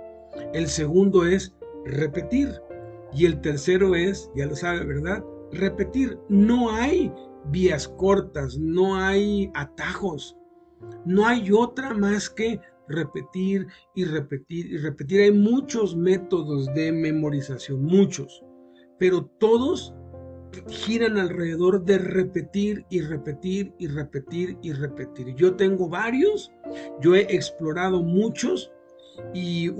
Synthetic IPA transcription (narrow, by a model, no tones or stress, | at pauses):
e̞lse̞ɣũnd̪o̞e̞sre̞pe̞t̪iɾ | ie̞lt̪e̞ɾse̞ɾo̞esʝalo̞saβe̞βeɾðaðre̞pe̞t̪iɾno̞aj | βiasko̞ɾt̪asno̞ajat̪axo̞s | no̞ajo̞t̪ɾamaske̞ | re̞pe̞t̪iɾ | irepet̪iɾire̞pet̪̬iɾajmũt͡ʃo̞zme̞t̪o̞ðo̞zðe̞me̞mo̞ɾisasjo̞nmut͡ʃo̞s | pe̞ɾo̞t̪o̞ðo̞s | xiɾanalre̞ðe̞ðo̞ɾðe̞re̞pe̞t̪iɾire̞pe̞t̪iɾire̞pe̞t̪iɾire̞pe̞t̪iɾʝo̞t̪e̞ŋɡo̞βaɾjo̞sɟ͡ʝo̞e̞ʔeksplo̞ɾað̞o̞mut͡ʃo̞s | i